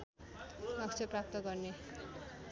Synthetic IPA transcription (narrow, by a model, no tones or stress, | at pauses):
ʌkt͡ʃʰʌprap̚t̪ʌɡʌrne